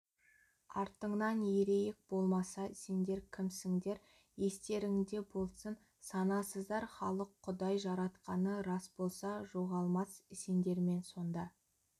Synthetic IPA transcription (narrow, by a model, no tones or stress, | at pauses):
ɑɾt̪əɴnɑnje̞ɾe̞jek̚bo̞lˠmɑsɑse̞nd̪e̞ɾkʲʰɪmsɪŋd̪e̞ɾ | je̞st̪e̞ɾɪŋd̪e̞bo̞lˠsən | sɑnɑsəzd̪ɑɾχɑlˠəqʰːʊd̪ɑjʒɑɾɑt̪qɑnəɾɑsbo̞lˠsɑʒo̞ʁɑlˠmɑsɪsend̪e̞ɾme̞nso̞nd̪ɑ